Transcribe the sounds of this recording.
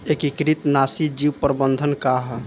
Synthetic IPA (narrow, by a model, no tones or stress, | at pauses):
ekikɾit̪nasid͡ʒiwpəɾəbənd̪ʱənkaɦ